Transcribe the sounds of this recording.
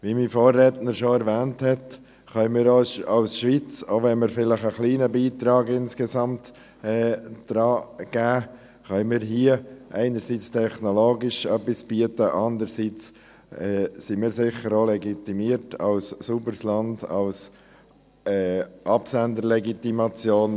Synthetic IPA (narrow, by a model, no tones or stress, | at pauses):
ʋimiːfoːrːɛtnəɾʃoɛɾvɛːnthɛt | χœnmɪːɾoɑʊsʃʋiːt͡soʋɛnməɾfɪləχəχliːnəbiːt̪ɾɑːɡɪnskɛzɑmt | ɛːd̥ɾɑːɡ̥æː | χœnmɪːɾɦiəʔæɪnəɾsiːt͡stʰɛχnoloːɡiʃœpːisb̥iətəʔɑnd̪əɾsiːt͡s | ɛːsimɪːɾsɪχəɾoːlɛɡit̪imiəɾtʰɑ̰lssubəɾslɑndɑ̰ls | ɛʔɑpsændəɾlɛɡitimɑt͡sjoːn